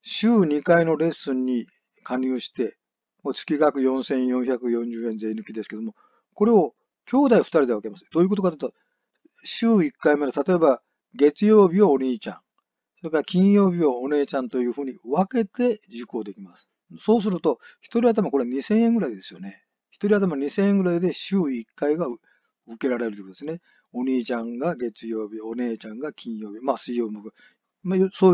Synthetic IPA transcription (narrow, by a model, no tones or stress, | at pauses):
ɕɨːɲ̟ikaino̞ɾe̞sɨ̃ɲ̟ːi | kʰaɲʲɨːɕi̥t̪e̞ | moːt͡sɨ̥kʲiɡakɯ̟jõ̞ɰ̃sẽ̞ɰ̃jõ̞ɰ̃çakɯ̟jõ̞ɲ̟d͡ʑɨːẽ̞nzeinɯ̟kʲid̪e̞sɨ̥ke̞d̪o̞mo | ko̞ɾe̞o̞ | kʲo̞ːd̪aiɸɯ̟̥t̪aɾʲid̪e̞βaakemasɨ̥d̪̥o̞ːjiɯko̞t̪okat̪ɯt̪o | ɕɨːikːaime̞not̪at̪o̞e̞ba | ɡe̞t͡sɨjo̞ːbʲioːɲʲiːt͡ɕã̰ŋ | soebakʲĩɰ̃jo̞ːbʲioːne̞ːt͡ɕãnt̪o̞jɯ̟ːɸɯ̟ːɲ̟iβake̞t̪e̞d͡ʑiko̞ːd̪e̞kʲimasɨ̥ | so̞ːs̬ɨɾɯ̟t̪o̞çi̥t̪o̞ɾʲiat̪̬amako̞ɾeɲ̟isẽ̞ɰ̃ẽ̞ŋɡɯ̟ɾaid̪e̞̥sɨjo̞ne̞ | çi̥t̪o̞ɾʲiat̪amaɲ̟isẽɰ̃eŋɡɯ̟ɾaid̪e̞ɕɨːikːaiɡa | ɯke̞ɾaɾe̞ɾɯt̪ikot̪odesne | o̞ɲ̟iːt͡ɕãŋɡaɡe̞t͡sɨjo̞ːbʲione̞ːt͡ɕãŋɡakʲʰĩɰ̃jo̞ːbʲimasɨijoːmɯka | majsoː